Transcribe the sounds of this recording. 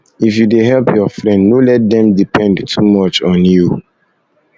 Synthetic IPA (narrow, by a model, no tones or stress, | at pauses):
ifjudeɦɛlpʰjɔfɹɛ̃ndnolɛt̚dɛ̃mdipʰɛ̃ndtʰumɔt͡ʃɔ̃nju